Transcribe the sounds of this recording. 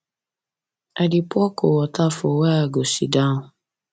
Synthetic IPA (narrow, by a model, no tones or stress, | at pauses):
adipʊɔkowɔtafowaaɡosḭdaʊ̃